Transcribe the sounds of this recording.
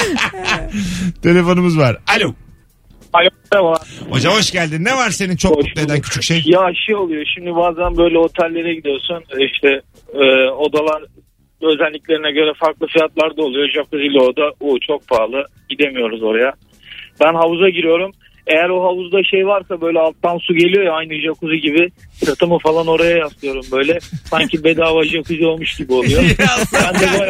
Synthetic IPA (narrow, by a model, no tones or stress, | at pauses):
t̪ʰe̞lʲe̞fo̞numɯzvaɾalʲow | alʲo | avaaho̞d͡ʒamɦoʃɟælʲd̪inevaɾse̞nint͡ʃʰooʃed̪æncʰy̥t͡ʃʰycʃejjaaʃɯolˠujoʃimd̪ibaːzænbø̞jlʲɛɦo̞t̪ʰælʲːe̞ɾɛɟid̪ijo̞suniʃt̪ʰɛː | o̞d̪alˠaɾ | ø̞zælʲːiclʲe̞ɾinɛɟø̞ɾɛfaɾklˠɯfijat̪lˠaɾd̪aolˠujod͡ʒap̚t̪ɯzilʲoɾd̪abut͡ʃʰo̞k̚pʰaːlˠɯɟid̪e̞mijo̞ɾuzo̞ɾaja | bænɦavuzaɟiɾijo̞ɾum | e̞jæɾoɦavuzd̪aʃejvaɾsabø̞jlʲɛalˠt̪ːansuɟe̞lʲijo̞jaajnɯd͡ʒakuzuɟibɪt̪ʰɯɾt̪ʰɯmɯfalˠano̞ɾajajast̪ʰɯjo̞ɾumbø̞jlʲɛsaɲcibed̪aːvad͡ʒɯakuzio̞lˠmuʃɟibio̞lˠujobænd̪ɛba